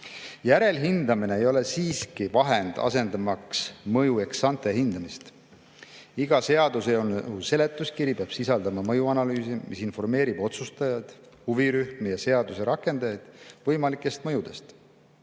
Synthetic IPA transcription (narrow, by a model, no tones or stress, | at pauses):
jæɾe̞lɦind̪̥ɑmine̞ejo̞le̞siːskivɑɦe̞nd̪̥ɑ̰se̞nd̪̥ɑmɑksmɤjue̞ksɑnt̪e̞ɦind̪̥ɑmist̪ | iɡɑse̞ɑd̪̥useonuse̞le̞t̪ːˑuskiɾipeɑb̥sisɑld̪̥ɑmɑmɤjuɑnɑlyːsimisinfo̞rme̞ːɾib̥o̞t̪sust̪ɑjɑd̪̥ | huviɾyhmijɑse̞ɑd̪̥use̞ɾɑkːˑe̞nd̪̥ɑjɑjd̪̥vɤjmɑlikːˑe̞st̪mɤjud̪̥e̞st̪